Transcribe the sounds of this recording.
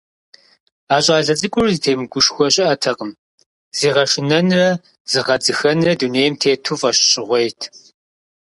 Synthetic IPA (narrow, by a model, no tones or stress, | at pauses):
aːɕʼaːɮɐt͡sʼɨkʷʼʊrzitʰeːmɨɡʷʊʂxʷɔɕʼɪʔɐtʰɐqʼəm | z̥iːʁɐʂɪnɐnrɐ | z̥ɨʁɐd͡zɨxɐnrɐduneːjmtʰeːtʰufʼɐɕɕʼɪʁʷejtʰ